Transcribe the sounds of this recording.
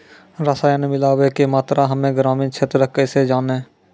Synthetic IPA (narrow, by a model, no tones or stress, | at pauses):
ɾəsaːjnemɪlaːʋekemaːt̪ɾʔaɦəmẽːɡɾaːmĩːnt͡ʃʰeːt̪ɾəkesed͡ʒaːneː